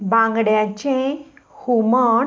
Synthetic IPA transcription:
bãŋɡɽjat͡ɕẽhuməɳ

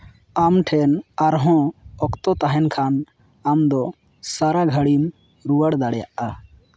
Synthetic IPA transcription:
amʈʰɛnaɾɦɔ̃ɔkt̪ɔt̪aɦɛnkʰan | amd̪ɔ | saɾaɡʱəɽim | ɾuwaɽd̪aɽja̰ʔa

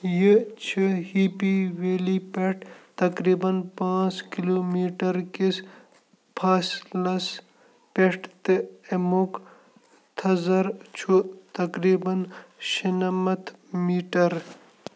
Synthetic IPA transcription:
jit͡ʃʰihiːpiʋeːlipeʈʰt̪ɐkɾiːbɐnpãːt͡skiloːmiːʈɐɾkis | pʰaːslɐs | peʈt̪ɨemok | t̪ʰɐzɐɾt͡ʃʰut̪ɐkɾiːbɐnʃinɐmɐt̪ʰmiːʈɐɾ

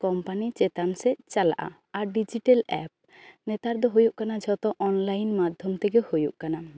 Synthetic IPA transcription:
kɔmpanit͡ʃɛt̪ansɛt͡ʃala̰ʔa̰ | aɾɖid͡ʒiʈalɛ̰p̚ | nɛt̪aɾd̪ɔɦojuʔkanad͡ʒʱɔt̪ɔʔɔnlajnmad̪ʱjɔmt̪ɛɡɛhojuʔkana

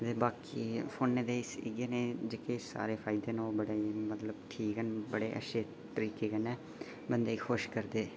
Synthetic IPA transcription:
t̪eːbaːkiːpʰoːnːeːd̪eːɪsɪ̰ɡeːneːd͡ʒeːkesa̰ːɾeːpʰaːɪid̪eːnːoːbəɽeːimət̪ləb̚ʈʰiːkənbəɽeːʔə̰ʃʰeː | t̪əɾiːkeːkənɛː | bənd̪eːiːxʰʊʃkəɾd̪eː

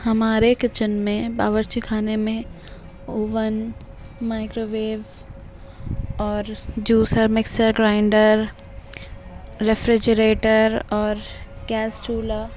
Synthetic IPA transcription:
hɐmaːɾekɪt͡ʃənmẽbaːʋəɾt͡ʃikʰaːnemẽ | oːʋən | maːɪkɾoːʋeːʋ | ɔːɾd͡ʒuːsəɾmɪksəɾɡɾãːɪɳɖəɾɾ | efɾɪd͡ʒəɾeːʈəɾɔːɾɡ̥ɛːsʈuːla

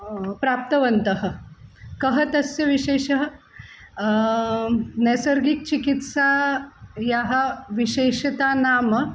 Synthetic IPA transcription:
pɾap̚t̪əʋənt̪əɦə̆kəɦət̪əsjɐʋiɕeːɕəɦ | nɛsəɾɡik̚t͡ɕikit̪sa | jaɦəʋiɕeːɕɐt̪anaːmə

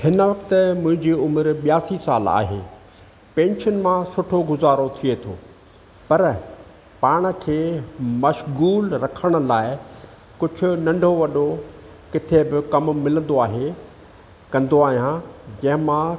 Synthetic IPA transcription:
hɪnəʋɐk̚t̪mʊ̃ɦɪ̃ɲd͡ʑiʊmɾɓjaːsisaːla̰ːɦḛː | pẽːnʃənmãsʊʈʰoɡʊzaːɾot̪ʰiet̪ʰo̰ː | pɐɾ | paːɽ̃̆kʰeːmɐʃɣuːlɾɐkʰəɽ̃ʊ̆laːɪ | kʊd͡ʑʱʊ̆nɐ̃ɳɖʱoʋɐɗo | kɪt̪ʰebɪkɐmmɪlə̃nd̪oaːɦe | kɐ̃nd̪oaːɦijãd͡ʑɐ̃ɦɪ̃mã

